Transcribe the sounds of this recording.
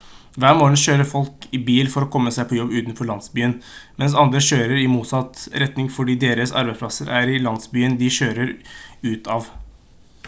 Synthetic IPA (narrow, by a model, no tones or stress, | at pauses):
ʋæːɾmoːnɕøːɾəfɔlkɪbiːlfɔɾɔkʰɔmːəsæɪpʰɔjɔbːʉːt̪nfɔɭɑnsbyːənmɛns̬ɑnd̪ɾəɕøːɾəɾɪmuːt̪sɑt̪ɾɛt̪nɪŋfɔɖiːd̪eːɾəsɑ̰ɾbæɪspʰlɑsəɾʔæɾɪlɑnd̪sbyːənd̪ɪɕøːɾəɾʉːt̪ʰɑːʋ